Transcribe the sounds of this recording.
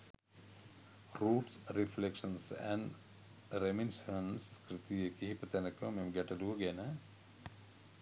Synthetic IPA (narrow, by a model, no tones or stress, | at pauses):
ɾuːʈsɾiflekʂɐnsɛ̰ɳ | ɾeminsɐnskɾit̪ijekiɦipɐt̪ɐnɐkomemɡeʈɐd̪uɐɡenɐ